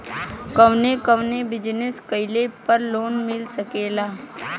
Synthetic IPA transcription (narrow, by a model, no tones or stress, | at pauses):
kəʋnekəʋnebɪd͡ʒnɪskəɪlepəɾloːnmɪlsəkeːlaː